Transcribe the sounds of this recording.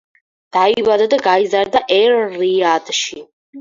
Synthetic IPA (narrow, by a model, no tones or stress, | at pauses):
d̪̥aibad̪ad̪aɡaizaɾd̪aʔɛɾːiad̪̥ʃi